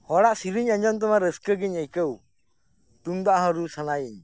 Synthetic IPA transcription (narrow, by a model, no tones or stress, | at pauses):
hɔɽaʔsiɾiɲaɲd͡ʒɔnt̪̬əmaɾəskəɡiɲəjkəw | t̪uŋd̪aʔɦaɾusanaiɲ